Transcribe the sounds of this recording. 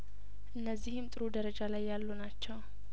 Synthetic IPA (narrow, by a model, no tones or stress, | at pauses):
ʔɨnːəzːihɨmt̪ʼɨɾud̪əɾəd͡ʒalajːalːunat͡ʃːɛw